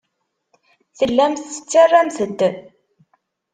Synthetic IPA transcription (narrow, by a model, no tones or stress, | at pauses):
θəlːæmθə̥t͡sːarˤːæmθəd̪ː